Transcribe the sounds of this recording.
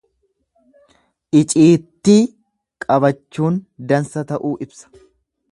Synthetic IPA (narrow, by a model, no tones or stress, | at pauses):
ʔɪt͡ʃʼiːt̪ːiː | kʼɐbɐt͡ʃːuːnd̪ɐnsɐt̪ɐʔuːʔɪbsɐ̥